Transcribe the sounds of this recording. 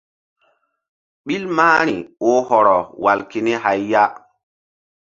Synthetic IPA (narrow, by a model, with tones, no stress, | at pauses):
ɓi˦lmaː˦ɾi˨o˦hɔ˨ɾɔ˨wa˨lke˨ni˦ha˨jːa˦